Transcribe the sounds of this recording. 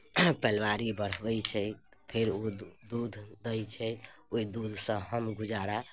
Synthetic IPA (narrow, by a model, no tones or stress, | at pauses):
pɛlʋaɾibəɽ̤ʋɛjt͡ʃʰɛpʰeɾod̪ud̪ʱd̪əjt͡ʃʰɛoid̪ud̪ʱsə̃ɦəmɡud͡ʒaɾa